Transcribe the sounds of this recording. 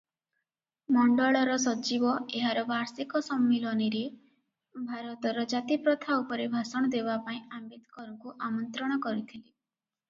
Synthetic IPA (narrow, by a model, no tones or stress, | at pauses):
mɔɳɖɔɭɔɾɔsɔt͡ʃibɔeɦaɾɔbaɾsikɔsɔmːilɔniɾe | bʱaɾɔt̪ɔɾɔd͡ʒat̪ipɾɔt̪ʰaupɔɾebʱasɔɽ̃ɔd̪ebapaĩambed̪kɔɾuŋkuʔamɔnt̪ɾɔɽ̃ɔkɔɾit̪ʰili